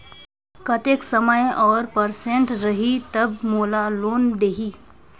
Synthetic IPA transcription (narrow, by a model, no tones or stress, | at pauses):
kɐt̪eːksəməjɔːɾpəɾsẽɳʈɾəɦit̪ɐbmoːlaloːnd̪eːɦiː